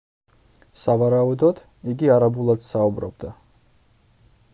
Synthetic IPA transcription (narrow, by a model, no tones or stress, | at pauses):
savaɾaud̪ɔd̪̥ | iɡiaɾabulˠad̪̥saubɾɔ̰b̚d̪a